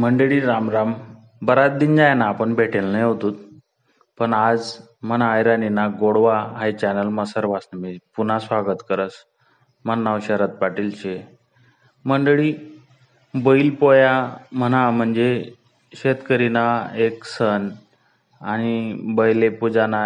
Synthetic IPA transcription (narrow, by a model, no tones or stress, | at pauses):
məɳɖəɭiːɾamɾam | bəɾat̪̚d̪ind͡ʑajnaːpəɳbʱeʈʰelnəjɦot̪uːt̪̚ | pəɳad͡z | m̤ənaːjɾaninaɡoɽʋaɦajt͡ɕænəlməsəɾʋasnəmipun̤asʋaɡət̪kəɾət͡s | mənːawɕəɾət̪̚paʈilt͡ɕe | məɳɖɭiː | bəilpojam̤ənam̤əɳd͡ze | ɕet̪kəɾinaeksən | aɽ̃ibəjlepud͡zana